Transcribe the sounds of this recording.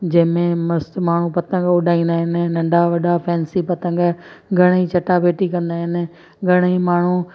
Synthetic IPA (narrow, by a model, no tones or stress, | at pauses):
d͡ʑɐ̃ɦɪ̃mẽmɐst̪maːɳ̤upɐt̪ə̃ŋɡʊɗʱaːĩːnd̪aːɦɪnɪnɐ̃ɳɖʱaʋɐɗapʰɛ̃ːnsipɐt̪ə̃ŋɡaː | ɡʱɐɽ̃it͡ɕɐʈabeːʈikɐ̃nd̪aːɦɪnɪ̆ | ɡʱɐɽ̃imaːɳ̤u